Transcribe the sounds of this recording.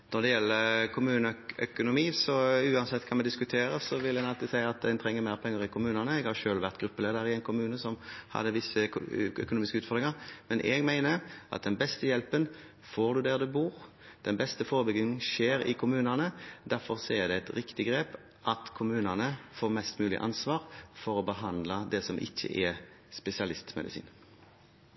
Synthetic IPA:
nɔd̪ɛjɛlːəkʰʊmʉːnəœ̰kʊnʊmiːsɔʉːɑnsɛt̪ːkʰɑnmɛd̪ɪskʉt̪ʰeːɾəsɔʋɪljænɑlt̪ɪsæɪɑt̪̚d̪ɛɪnt̪ʰɾɛŋːəɾmæɪpʰɛŋːəɾɪkʰʊmʉːnɑnəɛɡhɑɾʃøːlʋæɾt̪ɡɾʉpːəleːd̪əɾɪɛɪnkʰʊmʉːnəsɔmhɑ̰d̪ːəʋɪsːəœ̰kʊnuːmɪskəʉːt̪fɔd̪ʁɪŋɑɾmɛnʔɛɡmæɪnəʔɑ̰t̪̚d̪ɛnbɛst̪əjɛlpən | foːʁd̪ʉd̪æːʁd̪ʉbuːʁ | d̪̥ɛnbɛst̪əfoːʁəbʏɡɪŋnʃeːɾɪ̰kʰʊmʉːnənəd̪æɾfɔʁsɔɛd̪ɛɛt̪ɾɪkt̪ɪɡɾeːp | ʔɑt̪kʰʊmʉːnənəfoːʁmɛst̪mʉːlɪ̰ʔɑ̰nsʋɑːʁfɔɾɔbəɦɑnd̪ləd̪ɛsɔmʔɪ̰çːə̰ʔɛ | spɛsɪɑlɪst̪mɛ̰d̪ɪsḭːn

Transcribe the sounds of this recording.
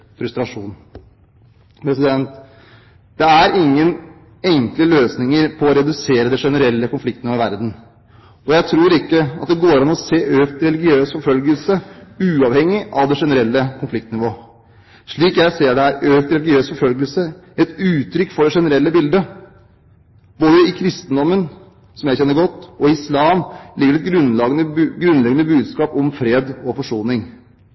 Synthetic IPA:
fɾʉst̪ɾɑʂuːn | pʰɾɛsɪd̪ɛnt̪ | d̪̥ɛæɾɪŋːən | ɛŋkləløːsnɪŋəɾpʰɔɔɾɛd̪ʉseːɾəd̪ɛʂɛnəɾɛlːəkʊnflɪkt̪nɪʋoːɪʋæɾd̪n̩ | ɔjæɪt̪ʰɾuːɾɪkːəɑ̰t̪̚d̪ɛɡoːɾɑnːɔseːʔøːkt̪ɾɛlɪɡɪøːsfɔɾfœlɡəlsəʉːɑʋhɛŋːɪʔɑʋd̪ɛʂɛnəɾɛlːəkʰʊnflɪk̚t̪nɪʋoː | ʂɭiːkjæɪseːɖɛæʔøːkt̪ɾɛlɪɡɪøːsfɔɾfœlɡəlsə | ɛt̪ʉːt̪ʰɾʏkːfɔɖɛʂɛnəɾɛlːəbɪld̪ə | boːləɪkʰɾɪst̪ənd̪ɔmːən | sɔmjæɪçɛnːəɡɔt̪ːɔɪslɑːmlɪɡəɖɛt̪̚ɡɾʉnlɑɡənəɡɾʉnlɛɡənəbʉːd̪skɑːpɔmfɾeːd̪ɔfɔʂuːnɪŋ

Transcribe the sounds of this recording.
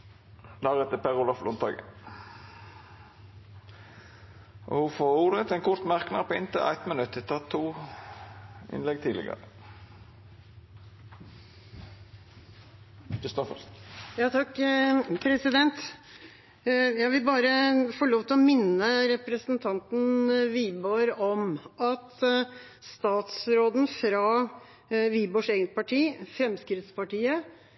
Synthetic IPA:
d̪ɑːʁɛt̪ːəpʰæʁʊlɔflʊnt̪ɑ̰ːɡə̰ | ʔɔ̰hʊfoʁuːd̪ət̪ɛnkʰʊɾt̪mæʁknɑpɔːɪnt̪ʰə̰ʔæ̰ɪt̪mənʉt̪ːɪt̪ʰɑt̪ʰːuː | ʔɪ̰nlɛɡt̪ʰiːd̪ɪ̰ɡə̰ʁə | kɪst̪ɔfəjɑːt̪ʰɑkːpʰɾɛsɪd̪ɛnt̪ | jæʋɪlbɑːɾəfɔɭoːʋt̪ʰɪlɔmɪnːəɾɛpɾəsnt̪ʰɑnt̪n̩ʋiːboɾɔmʔɑt̪ | st̪ɑːt̪sɾoːd̪n̩fɾɑ | ʋiːboʂeːɡənt̪̚pʰɑʈʰiːfɾɛmskɾɪt̪spɑʈiːə

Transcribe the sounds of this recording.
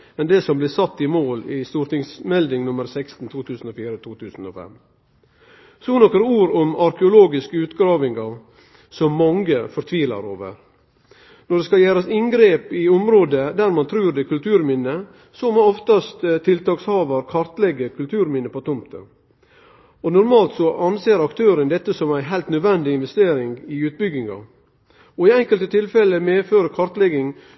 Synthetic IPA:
mɛnd̪ɛsɔmblɪːsɑt̪ːɪmoːlɪst̪uːɾʈɪŋsmɛld̪ɪŋnʊməɾsɛkst̪n̩t̪ʰuːt̪ʰʉːsn̩oːfiːɾət̪ʰuːt̪ʰʉːsn̩o̰ːfɛ̰m | sɔnɔkːəɾəuːɾɔmɑɾkəʊloːɡɪskəʉːt̪ɡɾɑːʋɪŋɡɑɾ | sɔmːɑŋɡəfɔɾt̪ʰʋiːlɑ̰ɾo̰ːʋə̰ɾ | nɔɖɛskɑljæːɾɑsɪŋɡɾeːpɪʊmɾoːd̪əd̪æɾmɑnt̪ʰɾʉːɾd̪ɛkʰʉlt̪ʰʉːɾmɪnːə | sɔmɔɔft̪ɑst̪t̪ʰːɪlt̪ɑːkshɑːʋɑɾkʰɑɾt̪lɛɡəkʰʉlt̪ʰʉːɾmɪnːəpɔt̪ʰʊmt̪ʰə̰ | ɔnʊɾmɑːlt̪sɔʔɑnseːɾɑkt̪ʰøːɾənd̪ɛt̪ːəsɔmæɪnɦæɪlt̪nœd̪ʋɛnd̪ɪɪnʋɛst̪eːɾɪŋɡɪʉːt̪̚bʏɡɪŋɑ̰ | ɔɪɛŋkəlt̪ət̪ʰɪlfɛləmeːføːɾəkʰɑɾt̪lɛɡɪŋ

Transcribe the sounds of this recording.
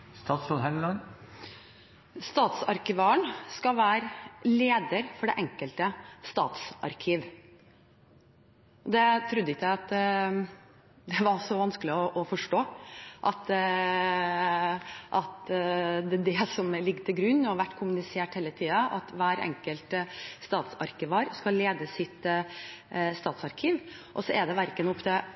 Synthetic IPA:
st̪ɑːt̪sɔd̪ɦɛnlɑn | st̪ɑːt̪sɑɾkɪʋɑəɳskɑʋæːɾleːd̪əɾfɔɖɛʔɛŋkəlt̪əst̪ɑ̰ːt̪sʔɑ̰ɾkʰiːʋ | ɔd̪ɛt̪ʰɾʉd̪ːəɪkæɪɑt̪ | d̪ɛʋɑɾsɔʋɑnskəlɪɔʔɔfɔʂʈoːʔɑt̪ | ʔɑt̪d̪ɛd̪ɛsɔmlɪɡːət̪ʰɪlɡɾʉnːɔʋæʈːkʰʊmʉnɪseːʈheːlət̪ʰiːɑʔɑ̰t̪ʋæːɾɛ̰ŋkəlt̪st̪ɑːt̪sɑ̰ɾkəʋɑːɾskɑllːeːd̪əsɪt̪ | st̪ɑːt̪sɑɾkʰiːʋ | ʔɔsɔʔɛd̪ɛʋæɾkənʊpd̪ɛ

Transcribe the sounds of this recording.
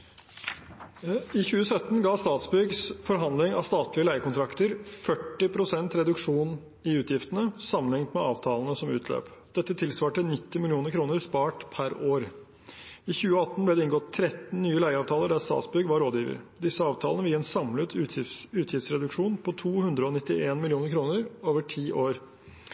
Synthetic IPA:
ɪçʉːəsœt̪ːn̩ɡɑːst̪ɑːt̪sbʏɡsfɔɾɦɑnd̪lɪŋɑ̰ʋst̪ɑːt̪lɪəlæɪəkʊnt̪ʰɾɑkt̪əɾfœʈːɪpʰɾʊsɛnt̪ɾɛd̪ʉkʂuːn | ɪʉːt̪ʰjɪft̪ənəsɑmːənɪŋt̪mɛɑ̰ːʋt̪ʰɑːlənəsɔmʉ̰ːt̪ʰlø̰ːpd̪̥ɛt̪ːət̪ʰɪlsʋɑːʈənɪt̪ːɪmɪlɪuːnəɾkʰɾuːnəɾspɑːʈpʰæɾoːɾ | ɪçʉːəɑt̪ːn̩blɛd̪ɛɪnɡɔt̪ʰːɾɛt̪ːn̩nyːəlæɪəɑːʋt̪ʰɑːləɖæst̪ɑ̰ːt̪sbʏɡʋɑɾoːd̪jiːʋə̰ɾd̪ɪsːəɑːʋt̪ʰɑːlənəʋɪeːnsɑmlət̪ʰʉːt̪ʰjɪft̪sɾɛd̪ʉkʂuːnpʰɔt̪ʰuːhʉnd̪ɾəɔnɪt̪ːɪʔeːnmɪlɪuːnəɾkʰɾuːnəɾoːʋəʈʰiːʔoːɾ

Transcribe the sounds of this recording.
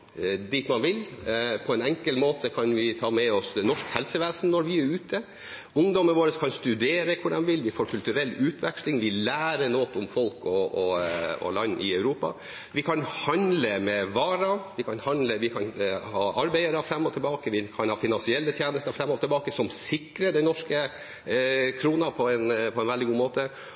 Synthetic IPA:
d̪iːt̪mɑnʋɪlpʰɔɛnɛŋkəlmoːt̪ʰəkʰɑnʋɪt̪ʰɑːmɛɔsnɔʂkhɛlsəʋeːsənːɔɾʋɪæɾʉːt̪ʰə | ʊŋd̪ɔməʋoːɾəskʰɑnst̪ʉd̪eːɾəkʰʊɖɛmʋɪlʋɪfoːɾkʰʉlt̪ʉɾɛlːʉːt̪ʰʋɛkslɪŋʋɪlæːɾənoːt̪ʊmfɔlkɔɔɔ̰lɑnːʔɪ̰œʉɾuːpɑ̰ | ʋɪkʰɑnhɑnləmɛʋɑːɾɑʋɪkʰɑnhɑnləʋɪkʰɑnhɑːʔɑɾbæɪəɾɑfɾɛmːɔt̪ʰɪlbɑːkəʋɪkʰɑnhɑːfɪnɑnsɪɛlːət̪ʰjeːnəst̪əɾfɾɛmːɔt̪ʰɪlbɑːkəsɔmsɪkɾəɖɛɪnɔʂkə | kʰɾuːnɑpʰɔɛnpʰɔɛnʋɛld̪ɪɡuːmoːt̪ə

